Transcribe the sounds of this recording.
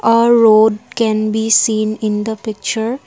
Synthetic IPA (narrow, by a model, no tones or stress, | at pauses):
ɔːɾːoːɖkɛ̃nbiːsĩːnɪ̃nd̪əpɪk̚t͡ʃəɾ